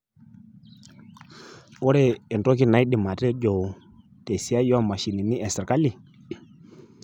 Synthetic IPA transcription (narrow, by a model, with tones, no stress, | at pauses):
ɔ˦ɾɛ˦ɛ˨ntɔ˦k̬i˦na˨˦i˦ɗi˨ma˨te˦ɟo˨ | te˨si˨˦a˦jɔ˦a˦˨ma˨ʃi˨ni˨ni˦ɛ˨sɛ˨ɾka˦li˨